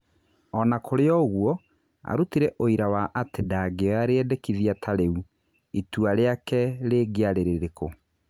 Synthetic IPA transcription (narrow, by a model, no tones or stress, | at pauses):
ɔnakʰoɾeɔɣwɔ | a̰ɾutiɾɛʔoiɾawaʔatedaɡeaɾeɛdɛkiðiatʰaɾeu | ituaɾeakɛɾeːɡeaɾeɾeɾeko